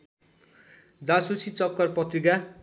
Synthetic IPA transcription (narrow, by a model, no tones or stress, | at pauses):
d͡zãsut͡sʰit͡sʌkːʌrpʌt̪riɡa